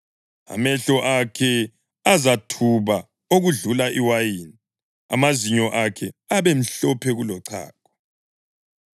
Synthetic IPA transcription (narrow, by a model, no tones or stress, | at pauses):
a̰mɛɬɔʔakʰɛ | azatʰuβa | oɣuɮulaʔiwajini | a̰maziɲɔʔakʰɛaβem̩ɬɔpʰɛɣulɔǀʰa̰ːkʰɔ̥